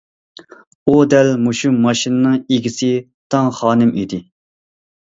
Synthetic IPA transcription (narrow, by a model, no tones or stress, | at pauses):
ud̪ɛlmuʃumɑʃinɨnɨŋeɡʲisɪ | t̪ʰɑŋχɑːnɪmid̪ɪ